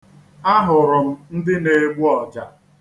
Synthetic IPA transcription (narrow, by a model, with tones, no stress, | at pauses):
a˦ɦʊ˨ɾʊ˨m̩˦n̩˦dɪ˦ne˨ɡ͡bʷu˦ɔ˨d͡ʒa˨